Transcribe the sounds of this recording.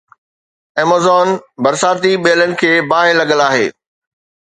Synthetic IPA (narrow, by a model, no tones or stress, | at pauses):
eːmozɔːnbɐɾsaːt̪iɓeːələnɪ̆kʰeːbaːɦɪlɐɠəlaːɦḛː